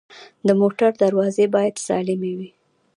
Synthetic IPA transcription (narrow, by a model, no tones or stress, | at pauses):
d̪əmoʈaɾd̪aɾwɑzebɑjad̪sɑ̰lɪmewi